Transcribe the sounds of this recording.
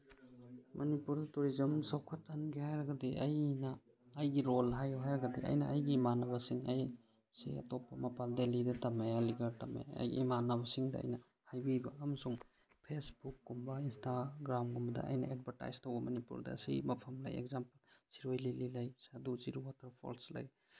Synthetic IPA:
mʔɐnipuɾdɐtuɾizɐmsɐwkʰɐtɐnɡihajɾɐɡɐdiʔɐjnɐː | jɡiɾolɦajɦajɾɐɡɐdiʔɐ̰jnɐʔɐjɡiːmanɐβɐsiŋɐj | sḭjɐ̰topːɐmɐpaldelidɐtɐmejaliɡɐɾtɐmːḛɐ̰jɡḭːmanɐbɐsiŋdɐɐ̰jnɐ | hajbibɐɐmɐsuŋ | pʰesbukːumbɐinstaɡɾamɡumbɐdɐ̰ɐ̰jnɐ̰ed̚bʱɐɾta̰jstowbɐmɐnipṵɾdɐ̰ɐ̰sḭjmɐpʰɐmlɐ̰jḛk̚zampɐlsiɾojlililɐjsadusiɾuwatʰɐɾpʰo̰lslɐ̰j

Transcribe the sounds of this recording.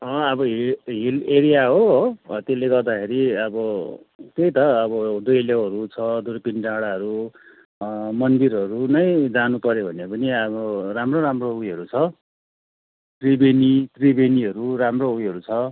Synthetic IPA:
ʌʌbʌɦiɦileɾijaɦoɦt̪elːeɡʌrd̪akʰeɾiʌbʌ | t̪ejt̪ʌːbʌd̪ujljawɦʌɾut͡sʰʌd̪ujpinʈaɽaʌɾu | mʌnd̪irɦʌɾunʌjd͡zanupʌɾjobʱʌnepʌniʌbʌramroɾamroujɦʌɾut͡sʰʌ | t̪ribenit̪ribeniɦʌɾuramroujɦʌɾut͡sʰʌ

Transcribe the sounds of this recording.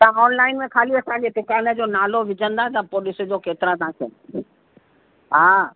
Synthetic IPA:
t̪ɐãɔːnlaːɪnmẽkʰaːliet̪ɐ̃ɦãd͡ʑed̪ʊkaːnə̆d͡ʑoːnaːloʋɪd͡ʑə̃nd̪aːt̪ɐpoːlɪs̆d͡ʑoːkeːt̪ɪɾat̪ɐɦãkʰḛ | ɦaː

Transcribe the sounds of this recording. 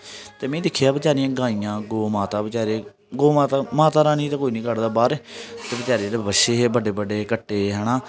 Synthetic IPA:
t̪eːmɛ̃ːd̪ɪkʰjaːbət͡ʃaːɾijãːɡãːiːjãːɡoːmaːt̪aːbət͡ʃaːɾeː | ɡoːmaːt̪amaːt̪aːɾaːnĩːt̪ãːkoːiːnĩːkəɽd̪aːbaːɾeːt̪eːbət͡ʃaːɾeːdeːbəʃeːɦeːbəɖeːbəɖeːkəʈːeːɦɛːɽãː

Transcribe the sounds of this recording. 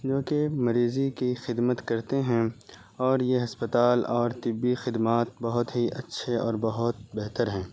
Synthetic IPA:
d͡ʒoːkemɐɾiːzikixɪd̪mət̪kɐɾt̪eɦɛ̃ | ɔːɾjeɦɐspət̪aːlɔːɾt̪ɪbːixɪd̪maːt̪̚bɐɦʊt̪ɦiʔɐtːʃʰeɔ̰ːɾbɐɦʊt̪bɛɦt̪əɾɦɛ̃ː

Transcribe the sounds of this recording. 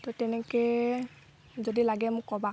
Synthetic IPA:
t̪ɔtɛnɛke | d͡ʒɔdilaɡɛmukɔba

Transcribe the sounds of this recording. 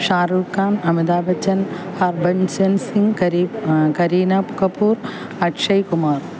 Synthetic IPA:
ʃaːɾuːkaːnɐmid̪aːbɐt͡ʃːɐnhɐɾbɐnsɐnsiŋɡkɐɾikɐɾiːnɐpukɐpuːɾ | ɐʈʂɐjkumaːɾ

